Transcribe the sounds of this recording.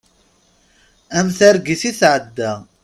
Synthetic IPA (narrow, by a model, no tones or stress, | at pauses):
æmθæɾɡiθiθʕəd̪ːæ